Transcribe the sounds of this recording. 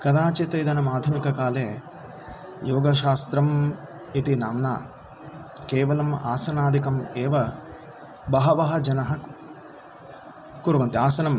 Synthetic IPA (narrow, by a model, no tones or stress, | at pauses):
kɐd̪aːt͡ʃet̪ɐjd̪ɐnɐmaːd̪ʱɐmikɐkaːleː | joːɡɐʃaːst̪ɾɐm | it̪inaːmna̰ː | keːʋɐlɐma̰ːsɐnaːd̪ʱikɐmɛːʋɐ | bɐɦɐʋɐɦɐd͡ʒɐnɐɦɐk | kuɾuʋɐnt̪iaːsɐnɐm